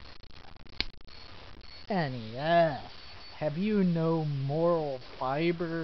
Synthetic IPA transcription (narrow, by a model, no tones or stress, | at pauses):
ɛniɛs | hɨvjɨnoʊmɔɹl̩ˠfaɪbə˞